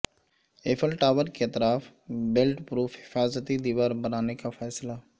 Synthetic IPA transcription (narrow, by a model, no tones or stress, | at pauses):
eːfʰəlʈaːʋəɾket̪ɾaːf | belʈpɾuːfhɪfaːzət̪id̪iːʋaːɾbənaːnekafʰɛːsla